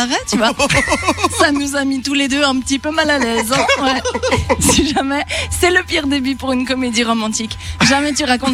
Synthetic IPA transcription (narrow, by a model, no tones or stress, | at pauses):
vɛt̪yvwa | sanuzamit̪uled̪øɛ̃pə̥t̪ipømalalɛzɛ̃wɛsiʒamɛsɛləpiʁd̪ebypuʁynkɔmed̪iʁɔmɑ̃t̪ikʒamɛt̪yʁakɔ̃t̪